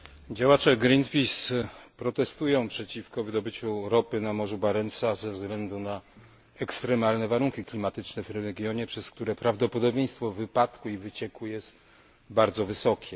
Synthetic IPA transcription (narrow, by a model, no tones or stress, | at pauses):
d͡ʑawat͡ʂɛɡɾinpʲispɾɔt̪ɛst̪ujɔ̃w̃pʂɛt͡ɕifkɔvɘd̪ɔbɘt͡ɕuɾɔpɘnamɔʐubaɾɛnsazɛvzɡlɛnd̪una | ɛkst̪ɾɛmalnɛvaɾuŋkʲiklʲimat̪ɘt͡ʂnɛvɾɛɡʲjɔɲɛpʂɛskt̪uɾɛpɾavd̪ɔpɔd̪ɔbʲjɛj̃st̪fɔvɘpat̪kuivɘt͡ɕɛkujɛst̪ | baɾd̪zɔvɘsɔkʲʰɛ